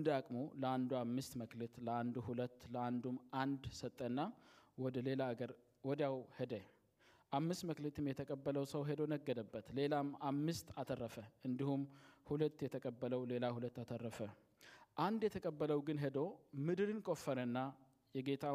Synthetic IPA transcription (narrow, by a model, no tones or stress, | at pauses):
d̪akʼmo̞ləand̪uamːɨst̪məklət̪ləand̪uhulət̪ːləand̪umʔand̪sət̪ʼːənːawɔd̪əle̞laːɡəɾ | wɔd̪jawhed̪ə | ʔamːɨst̪məklət̪ʰɨmjɛt̪ʰəkʼəbːələwsəwɦed̪o̞nəɡːəd̪əbːət̪le̞lamamːɨst̪at̪ʰərːəfəʔɨnd̪ihumhulət̪ːjɛt̪ʰəkʼəbːələwle̞lahulət̪ːat̪ʰərːəfə | ʔand̪jɛt̪ʰəkʼəbːələwɡɨnɦed̪o̞mɨd̪ɨɾɨnkʼo̞fːəɾənːa | jɛɡe̞t̪ʰa